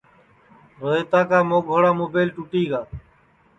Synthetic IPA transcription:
ɾəeːt̪aːkaːmoːɡʱoːɽaːmoːbeːlʈuʈiːɡaː

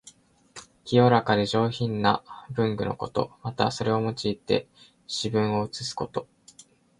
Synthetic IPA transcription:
kʲijo̞ɾakaɾʲiʑo̞ːçĩnːabɯ̟̃ŋɡɯ̟no̞̰ko̞t̪o̞̰mat̪a̰so̞ɾe̞o̞mo̞t͡ɕiːt̪e̞̰ | ɕibɯ̟̃ɰ̃o̞ɯ̟t͡sɨsɨ̥ko̞t̪o̞

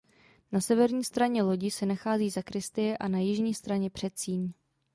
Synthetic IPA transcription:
nasɛvɛɾɲiːst̪ɾaɲɛlo̞ɟɪsɛnaxaːziːzakɾɪst̪ɪjɛʔanajɪʒɲiːst̪ɾaɲɛpr̝̥ɛt̪siːɲ

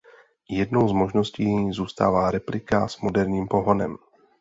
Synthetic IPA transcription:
jɛdno̞wzmo̞ʒno̞sciːzuːst̪a̰ːvaːɾɛplɪkaz̥mo̞dɛɾɲiːmpo̞ɦo̞nɛ̰m

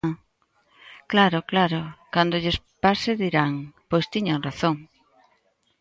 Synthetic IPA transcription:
klaɾʊklaɾʊkand̪ʊʎes | paɾsɪðiɾaŋpojst̪iɲaŋraθoŋ

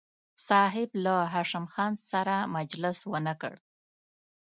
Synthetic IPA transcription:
sɑɦɪblaɦɑʃamxɑnsaɾamad͡ʒlɪswənakə̰ɽ

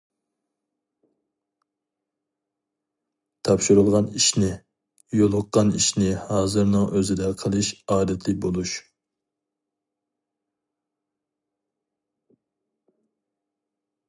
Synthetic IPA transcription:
t̪ʰɑpʃuɾulˠʁɑniʃnɪ | jolˠʊqːɑniʃnɪhɑːzɨɾnɨŋøzɪd̪ɛqʰəlˠɨʃɑːd̪ɛt̪ʰlɪk̚ʲbolˠuʃ

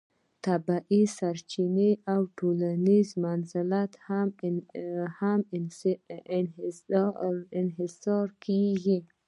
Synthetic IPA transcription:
t̪abaʔisaɾt͡ʃineawʈolanizmanzɪlat̪ham | ham | ɪnɦɪsɑɾkʰeɡi

